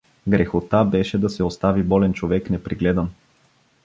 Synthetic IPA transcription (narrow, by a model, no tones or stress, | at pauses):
ɡɾɛxot̪abɛʃɛd̪ɐsɛost̪avibɔlɛnt͡ʃovɛknɛpɾiɡlɛd̪ən